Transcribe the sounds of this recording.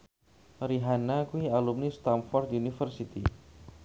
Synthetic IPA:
ɾiɦanakuialumnist̪amfɔrd̪unifərsit̪i

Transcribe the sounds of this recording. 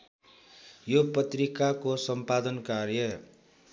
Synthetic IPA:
jopʌt̪rikakosʌmpad̪ʌnkarjʌ

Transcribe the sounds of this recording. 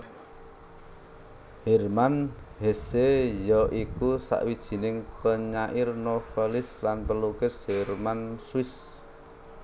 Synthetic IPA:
hɛrmanhesejɔʔikusa̰ʔwid̥ʒ̥i̤nɪŋpəɲaʔɪrnofelɪslanpəlukɪsʒ̥ɛrmanswɪs

